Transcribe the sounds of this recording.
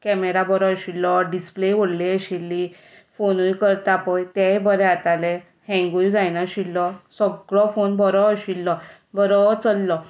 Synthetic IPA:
kɛmeɾabəɾɔɕilːɔɖispleʋoɽliəɕilːi | fonujkəɾt̪apɔjt̪ɛbəɾɛat̪alɛ | hɛ̃ŋɡujd͡zajnaɕilːɔsəɡɭɔfonbəɾɔɕilːɔ | bəɾɔt͡səlːɔ

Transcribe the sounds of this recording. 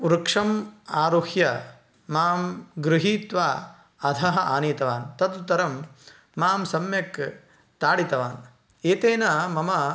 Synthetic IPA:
uɾɐkʂɐmaːɾuhjɐ | maːmɡɾɪɦiːt̪ʋaː | ɐd̪ʱɐɦɐaːniːt̪ɐʋaːnt̪ɐt̪ut̪ːɐɾɐmː | aːmsɐmjɐk | t̪aːɽit̪ɐʋaːn | eːt̪eːnɐmɐmɐ

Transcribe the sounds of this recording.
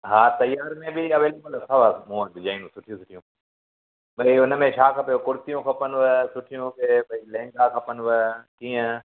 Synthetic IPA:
ɦaːt̪ɐjaːɾmẽbɪɐʋeːlekʊlsʰɐʋamũd̪ɪd͡ʒaːĩnũsʊʈʰijũsʊʈʰijũː | bɐiʊnəmẽt͡ʃʰaːkʰɐpijokʊɾt̪ijũkʰɐpənʋəsʊʈʰijũkʰebɐilẽːŋɡakʰɐpənʋəkiːə̃

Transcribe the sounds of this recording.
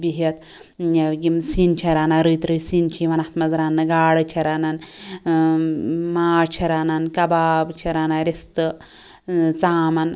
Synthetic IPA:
biɦet̪ | jɐɡimsint͡ʃʰɐɾaːnaɾɨjt̪ɾɨjsiːnt͡ʃʰiʋɐnaht̪mɐzɾaːnːɨɡaːɽɨt͡ʃʰɐɾaːnan | maːɾt͡ʃʰɐɾanankɐbaːbt͡ʃʰɐɾaːnaɾist̪ɨ | t͡saːmɐn

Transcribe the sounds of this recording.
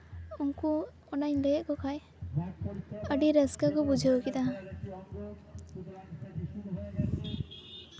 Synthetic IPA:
uŋku | ɔnaɲlɛjʔ̚kɔkʰaj | əɖiɾəskakɔbud͡ʒʱaokit̪aa

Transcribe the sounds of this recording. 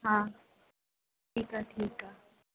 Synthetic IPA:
ɦa | tikʼatʰiːkʼa

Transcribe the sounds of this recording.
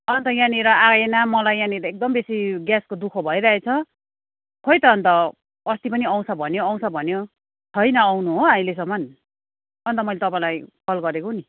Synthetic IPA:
ʌnt̪ʌjãniɾʌaɡenamʌlajjãniɾʌek̚d̪ʌmbesiɡjaskod̪ukʰʌbʱʌjɾaɦet͡sʰʌ | hojt̪ʌːnt̪ʌ | ʌst̪ipʌniʌw̃t͡sʰʌbʱʌnjoaw̃t͡ssʰʌbʱʌnjo | t͡sʰʌjnʌːwnuɦoaĩles̬ʌmːʌn | ʌnt̪ʌmʌjlet̪ʌpãlajpʰʌlɡʌɾekoni

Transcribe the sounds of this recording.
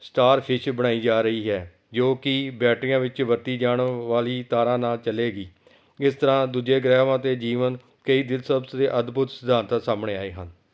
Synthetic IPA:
sʈaːɾpʰɪʃbəɽ̃aːiːd͡ʒaːɾəiːɦɛː | d͡ʒoːkɪbɛːʈɾɪjãːʋɪt͡ʃʋəɾt̪iːd͡ʒaːɳʋaːliːt̪aːɾãːnaːlt͡ʃəleːɡiː | ɪst̪əɾãːd̪uːd͡ʒeːɡɾɛːʋãːt̪eːd͡ʒiːʋən | kəiːd̪ɪlsəbsd̪eːʔəd̪bʱʊt̪səd̪ʱaːnt̪asaːmɳ̃eːaːeːɦən

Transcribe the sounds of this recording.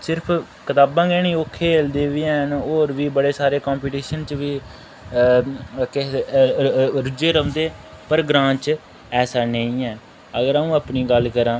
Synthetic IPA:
sɪɾpʰ | kət̪aːbãːɡɛːñĩːoːkʰːeːld̪eːʋijãɦənoːɾʋiːbəɽeːsaːɾeːkãːmpiːʈiːʃənt͡ʃʋiː | kɪ | ɾʊd͡ʒeːɾəmd̪eː | pəɾɡɾãːt͡ʃ | ɛːsaːnəĩːɛː | əɡəɾaũːaːpniːɡəlkəɾãː

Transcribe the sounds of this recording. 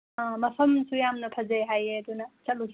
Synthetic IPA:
amɐpʰɐmsujamnɐpʰɐzejɦajeɐdunɐsɐt̚lus

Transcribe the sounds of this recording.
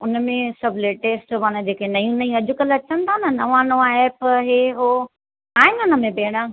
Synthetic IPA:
ʊnə̆mẽsɐbʱleːʈeːsʈmanəd͡ʑeːkʰenɐjũnɐjũɐd͡ʑʊkəlɐt͡ɕənt̪ʰanɐnɐʋãːnoʋãɛːpɦeɦoː | aːɪnʊnəmẽbeːɽ̃ã

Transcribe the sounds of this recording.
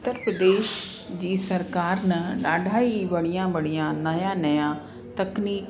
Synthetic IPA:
ʊt̪ːəɾpɾəd̪eːʃd͡ʒiːsəɾkaːɾnɐəɖʱaːibəɽijãːbəɽijãːnɐjãːnɐjãː | t̪əkniːk

